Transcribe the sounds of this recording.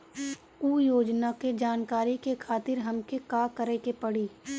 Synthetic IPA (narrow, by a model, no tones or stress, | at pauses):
uːjoːd͡ʒnaked͡ʒaːnkaːɾikekʰaːt̪ɪɾɦɐmkekaːkəɾekepɐɽiː